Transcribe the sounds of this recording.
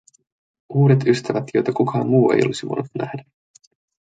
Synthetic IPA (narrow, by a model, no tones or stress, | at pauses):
uːɾe̞t̪yst̪æʋæt̪jo̞jt̪ɑkukʰɑːmmuːe̞̰jo̞̰lisiʋo̰nut̪næhdæ